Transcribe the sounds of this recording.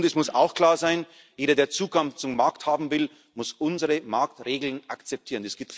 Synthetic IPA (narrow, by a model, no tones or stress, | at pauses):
ndɛsmʊsa̰ʊxkl̥aːɐzaɪn | jeːɾɐdeːɐt͡suːɡaŋt͡sʊmːaɐkthaːbm̩vɪl | mʊsʔʊnzəʁəmaɐktʁeːɡl̩nʔakt͡sɛp̚tʰiːʁəndɛsɡ̥iːp̚t